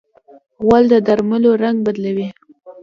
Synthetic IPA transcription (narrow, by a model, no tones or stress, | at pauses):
ɣwald̪əd̪aɾməloɾaŋɡ̚bad̪lawi